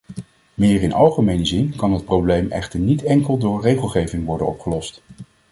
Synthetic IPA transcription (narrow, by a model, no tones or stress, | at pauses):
mɪːɹɪnɑlˠχəmejnəzɪnkɑnɦət̚prowblejmʔɛ̰χtəɹnitɛŋkəlˠdʊːɹrejχəlˠχejvɪŋʋɔɹdə̰nɔ̰pχəlɔst